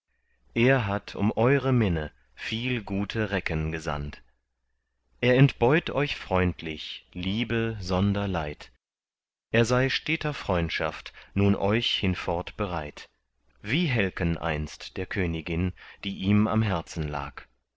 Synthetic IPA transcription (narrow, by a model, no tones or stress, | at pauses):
ʔeːɐɦatʰʊ̰mʔɔʏʁəmɪnə | fiːlɡuːtʰəʁɛkənɡəza̰nt | ʔeːɐɛntb̥ɔʏtʔɔʏçfʁ̥ɔʏntʰlɪçliːbəzɔndɐlaɪt | ʔeːɐzaɪʃtɛːtɐfʁ̥ɔʏntʃa̰ftnuːnʔɔʏçhɪnfɔɐtb̥əʁaɪt | v̥iːɦɛlkənʔa̰ɪnstd̥eːɐkʰøːnɪɡɪnd̥iːʔiːma̰mɦɛɐt͡sn̩la̰ːk